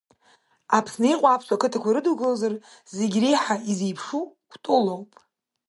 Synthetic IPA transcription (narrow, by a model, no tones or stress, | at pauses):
apʰsnɨiqʷʼaːpʰsʷᶣakɨtʰakʷʰaɾɨduɡɨlozar | zeɡʲrejħaizejpʰʂukʷʰtʼʊlowpʼ